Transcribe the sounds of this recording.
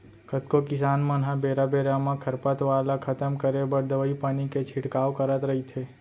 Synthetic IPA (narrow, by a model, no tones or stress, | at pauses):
kʰət̪kokɪsaːnmənɦabeːɾabeːɾamãkʰəɾpət̪ʋaːlakʰət̪əmkəɾebəɾd̪əʋəipaːniket͡ʃʰɪʈkaːwkəɾət̪ɾəɦit̪ʰeː